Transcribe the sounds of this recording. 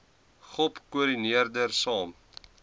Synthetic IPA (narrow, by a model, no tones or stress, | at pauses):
χɔpkuəɾiniərdərsɑːm